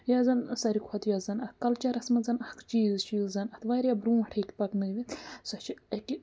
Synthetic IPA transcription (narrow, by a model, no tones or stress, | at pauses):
jaːzɐnsɐɾikʰwot̪jɐzɐnɐt̪kɐlt͡ʃɐɾɐsmɐnzɐnɐhkt͡ʃiːzt͡ʃiːzzɐnɐt̪ʰʋaːɾjabɾũːɐʈʰekʲipɐknɨɡd̪ʲisɐt͡ʃʰiɐki